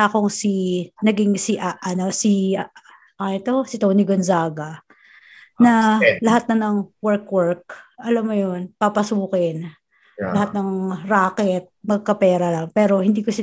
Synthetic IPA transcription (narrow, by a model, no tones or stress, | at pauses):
akoŋsinɐɡiŋsiʔaʔɐno̞si | ʔɛt̪o̞sɪt̪owniɡonzaːɡɐ | nɐlɐhat̪̚nɐnɐŋwɛɹkwɛɹk̚ʔɐlamːojonpɐpɐsuːkɛn | lɐhat̪̚nɐŋɾaːkɛt̪̚mɐɡ̚kɐpɛːɾɐlɐŋpɛːɾo̞hɪnd̪iːkosɪ